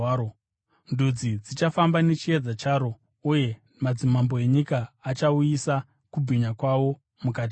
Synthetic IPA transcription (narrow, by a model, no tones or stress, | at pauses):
o | ndud͡zid͡zit͡ʃafambanet͡ʃied͡zat͡ʃaɾo̞ | uje̞ | mad͡zimambo̞e̞ɲikaːt͡ʃaujisa | kubʱiɲakwaʋo̞ | mukat̬i